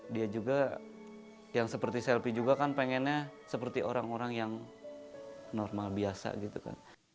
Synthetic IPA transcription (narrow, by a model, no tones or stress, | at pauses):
diad͡ʒuɡa | jaŋsəpərt̪isɛlpid͡ʒuɡakanpeŋɛnɲasəpərt̪iʔoɾaŋoɾaŋjaŋ | nɔrmalbiasa̰ɡit̪uka̰n